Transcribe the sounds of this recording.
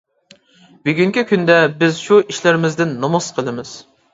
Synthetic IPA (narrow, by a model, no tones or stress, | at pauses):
byɡʲyŋkʲikʲynd̪ɛbɪzʃuʔiʃlɪɾɪmɪzd̪ɪnːɑmɑsqʰəlˠɨmɨz̥